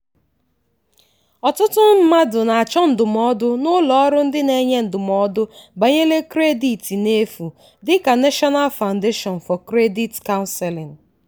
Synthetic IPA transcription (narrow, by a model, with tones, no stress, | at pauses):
ɔ˨tʊ˦tʊ˦m̩˦ma˦dʊ˨na˨a˨t͡ʃɔ˦n̩˨dʊ˨mɔ˦dʊ˦nʊ˦lɔ˦ɾʊ˦n̩˦dɪ˦ne˨ɲe˦n̩˨dʊ˨mɔ˦dʊ˦ba˨ɲe˦le˦kɾe˦di˨ti˨ne˦fu˨ | dɪ˦ka˨ne˦ʃɔ˦na˦lfa˨ʊ˨nde˦ʃɔ˨n˨fɔ˨kɾe˦di˦tka˦ʊ˦nsɛ˨lɪ˨n